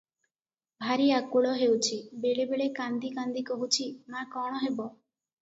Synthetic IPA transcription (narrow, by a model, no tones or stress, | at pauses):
bʱaɾiakuɭɔɦewt͡ʃʰibeɭebeɭekand̪ikand̪ikɔɦut͡ʃʰimakɔɽ̃ɔɦebɔ